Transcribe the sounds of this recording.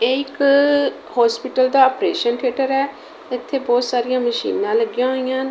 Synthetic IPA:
eɪk | hɔːspɪʈəld̪aːəpɾeːʃənʈʰeːʈəɾɛː | ɪt̪ʰːeːbɔːt̪saːɾɪjãːməʃḭːnãːləɡːɪjãːɦoːɪjãːn

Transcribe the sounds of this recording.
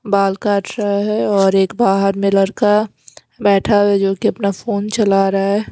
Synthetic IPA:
baːlkaːʈʰɾɐaɦɛɔːɾeːkbaːɦəɾmẽlɐɾka | bɛːʈʰawɛd͡ʒoːkeɐpnafoːnt͡ʃɐlaɾaaɦɛː

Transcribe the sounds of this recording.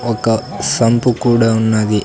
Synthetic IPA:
ɔkːɐsɐmpukuːɽɐunːaːɡi

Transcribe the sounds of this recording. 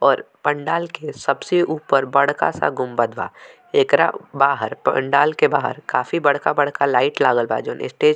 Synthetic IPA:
ɔːɾpɐ̃ɳɖaːlkesɐbseʔuːpəɾbɐɽ̤ka̰sa̰ɡʊmbəd̪ʱba̰ː | eːkɾa̰baːɦəɾpɐ̰ɳɖaːlkebaːɦə̰ɾkaːfibɐɽ̤kabɐɽ̤kalaːɪʈlaːɡəlba̰d͡ʒoːnɪ̰sʈeːd͡ʒ

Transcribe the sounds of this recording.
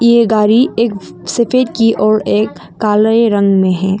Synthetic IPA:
jeːɡaːɾieːk | sefeːd̪kiʔɔːɾeːkː | aːləeɾɐ̃ŋɡmẽɦɛː

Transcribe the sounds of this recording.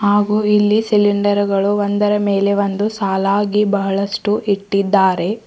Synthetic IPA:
haːɡuːilːisiliɳɖɐɾɡɐɭuʋond̪ɐɾɐmeːle̞ʋond̪usaːlaːɡibɐɦɐɭɐʂʈuʔiʈːid̪ːaːɾe̞

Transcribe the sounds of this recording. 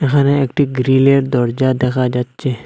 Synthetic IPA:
ekʰaneekʈiɡɾileʈd̪ɔɾd͡ʒad̪ekʰad͡ʒatt͡ʃe

